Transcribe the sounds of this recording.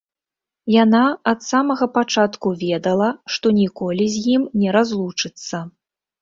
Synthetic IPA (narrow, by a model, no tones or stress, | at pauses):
janaɐt̪samɐɣɐpat͡ʂat̪kuvʲɛd̪ɐlˠɐʂt̪ɔnʲikɔlʲizʲjimnʲɛɾazlˠut͡ʂɨt̪sːɐ